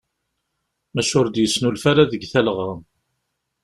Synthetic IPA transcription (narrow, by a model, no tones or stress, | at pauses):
mæʃʊɾd̪jəsːnulfæɾaðəɡθælʁɑ